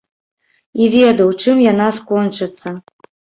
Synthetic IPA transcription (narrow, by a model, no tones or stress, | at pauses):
ivʲed̪ɐwt͡ʂɨmjanaskɔnt͡ʂɨt̪sːɐ